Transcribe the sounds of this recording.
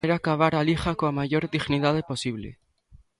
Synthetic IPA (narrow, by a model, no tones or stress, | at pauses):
eɾakaβ̞aɾalixakoamaʝo̞ɾðiɣniðaðepo̞siβlḛ